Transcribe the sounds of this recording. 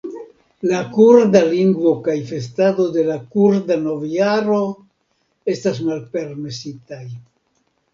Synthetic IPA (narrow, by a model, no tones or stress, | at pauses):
lakuɾdaliŋɡvo̞kajfe̞s̬tado̞de̞lakuɾdano̞vaɾo̞ | e̞stas̬malpe̞ɾme̞sitaj